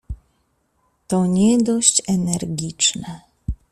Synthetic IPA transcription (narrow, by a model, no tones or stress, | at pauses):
t̪ɔɲɛd̪ɔɕt͡ɕɛnɛɾɡʲit͡ʂnɛ